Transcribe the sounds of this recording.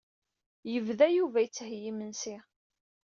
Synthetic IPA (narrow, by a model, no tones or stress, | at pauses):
jəvðæjuvæjət͡sːhjimənsi